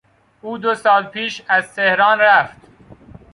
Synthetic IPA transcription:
uːd̪osɒːlpʰiːʃæzt̪ʰehɾɑːnɾæft̪

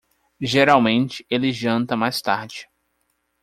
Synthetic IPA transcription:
ʒeɾawmẽnt͡ʃɪ̥elɪʒɐ̃nt̪ɐmajst̪a̰ɾd͡ʒɪ

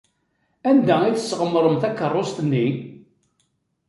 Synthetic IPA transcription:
ænd̪æiθəsːʁəmːəɾˤəmθækːərˤːost̪ənːi

